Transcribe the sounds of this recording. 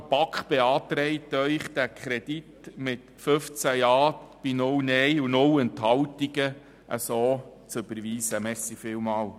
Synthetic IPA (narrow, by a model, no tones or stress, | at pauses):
pɑkχb̥ɛɑːt̪ɾɛɪt̪œʏχd̥̪ækʰχɾɛd̥itmɪt | fɵft͡sæjɑːb̥inʊwnɛjunʊwɛnt̪ɦɑwtiɡə | ʔə̰soː | t͡søb̥əɾʋiːsəmɛsifɪːwmɑːw